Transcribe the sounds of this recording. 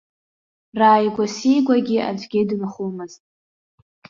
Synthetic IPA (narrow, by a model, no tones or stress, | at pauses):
raːjɡʷasijɡʷaɡʲia̰d͡ʒʷʼɡʲedɨnχumɨztʼ